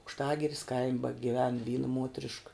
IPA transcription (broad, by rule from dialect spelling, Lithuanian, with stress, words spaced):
ɐʊkʃˈtɑːɡʲɪrʲɪs kɐɪmʲ bɐɡʲɪˈʋʲɛn ˈʋʲiːnɐ ˈmuɔtʲrʲɪʃk